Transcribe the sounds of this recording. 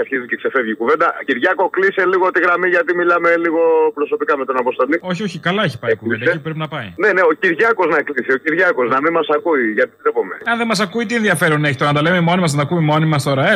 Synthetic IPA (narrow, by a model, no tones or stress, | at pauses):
ɐɾçizicekse̞fe̞vʝikuve̞nd̪ɐciɾʝɐko̞klise̞liɣo̞t̪iɣɾɐmiʝɐt̪imilɐmeliɣo̞pɾo̞so̞pikɐme̞t̪onɐpost̪o̞lio̞çio̞çikɐlɐeçi̥pɐikuvnd̪ɐeipupɾepinɐpɐine̞ne̞o̞ciɾʝɐko̞znɐklisio̞ciɾʝɐko̞snɐmimmɐsɐkuiʝɐt̪it̪ɾepo̞mḛeɐnðemɐsɐkuit̪̬ienðiɐfe̞ɾuneçit̪oɐd̪ɐlememo̞nimɐs̬ɐnɐkumimo̞nimɐst̪o̞ɾɐe